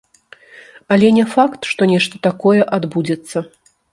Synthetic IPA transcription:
ɐlʲɛnʲɛfakt̪ʂt̪ɔnʲɛʂt̪ɐt̪akɔjɛʔad̪bud͡zʲɛt̪sːɐ

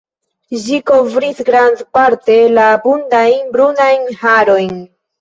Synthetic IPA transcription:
d͡ʒikovɾisɡɾandpaɾte̞labundajnbɾunajnhaɾo̞jn

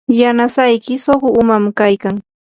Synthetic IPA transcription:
janasajkɪsoχʊʊmamkajkaŋ

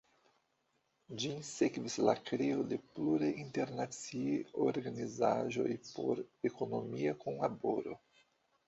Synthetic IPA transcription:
d͡ʒisekvislakɾeode̞pluɾainte̞ɾnat͡sioɾɡanizaʒo̞jpo̞̰ɾekono̞miakonlaboɾo̰

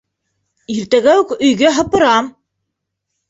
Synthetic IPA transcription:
iɾt̪æɡæwʉkɵ̆jɡæɦɤ̆pɤ̆ɾɑm

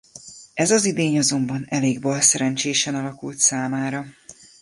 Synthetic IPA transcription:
ɛzɒzid̪eːɲɒzo̞mbɒnɛleːɡbɒlsɛɾɛnt͡ʃeːʃɛnɒlɒkult̪saːmaːɾɒ

